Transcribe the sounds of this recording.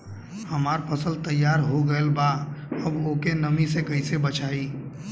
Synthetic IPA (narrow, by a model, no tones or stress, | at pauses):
həmaːɾpʰəsəlt̪əjːaːɾɦoɡəelbaəboːkenəmisekəɪsebət͡ʃaːi